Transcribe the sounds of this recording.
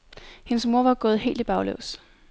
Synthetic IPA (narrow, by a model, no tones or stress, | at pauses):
henəsmo̝ɐ̰ʋɑ̈ɡ̥ɔ̽ːð̞̩ˠɦe̝̰ːld̥ib̥ɑ̈ʊlɔ̰ʊs